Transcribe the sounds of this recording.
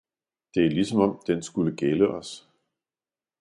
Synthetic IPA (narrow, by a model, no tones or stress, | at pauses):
d̥e̝ælisɒ̽mɒ̽md̥ensɡ̥uləɡ̥eləʔɒ̽s